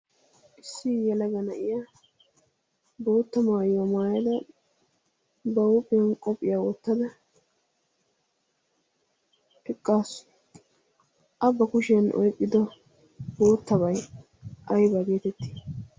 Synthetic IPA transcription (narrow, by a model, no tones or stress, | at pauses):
ʔɪsːɪjɛlɐɡɐnɐʔɪjaː | boːt̪ːɐmaːjwɔmaːjɐd̪ɐ | bɐwʊpʼːɪjɐnkʼɔpʼːɪjawɔt̪ːɐd̪ɐ | ɛkʼːaːs | ʔɐbːɐkʊʃɪjɐnʔɔ̰jkʼːɪd̪ɔ | boːt̪ːɐbɐj | ʔɐjbaɡeːt̪ɛt̪ːi̥